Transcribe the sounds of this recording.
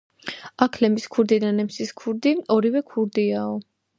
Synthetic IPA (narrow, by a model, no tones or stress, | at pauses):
akʰlɛmiskʰuɾd̪id̪anɛmsiskʰuɾd̪iɔɾivɛkʰuɾd̪iaɔ